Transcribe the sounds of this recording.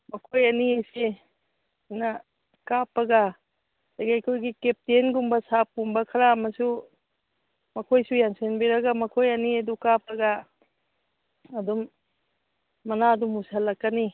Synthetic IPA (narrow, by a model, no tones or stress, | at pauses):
mɐkʰojaniese | na | kapːɐɡa | aɡajkʰojɡikep̚tenɡumbɐsap̚ɡumbɐkʰɐɾamɐsu | mɐkʰojsujansenbiɾaɡamɐkʰojaniedukapʰːɐɡa | dum | ɐnadumusalːakːani